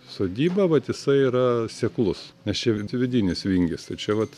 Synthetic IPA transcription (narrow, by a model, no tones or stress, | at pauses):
soːd̪ʲiːbɐʋɐt̪jɪsɐɪiɾɐsʲɛklˠʊsnʲɛst͡ʃʲɛʋʲɪd̪ʲinʲɪsʋʲiŋʲɡʲɪst̪ɐɪt͡ʃʲɛʋɐt̪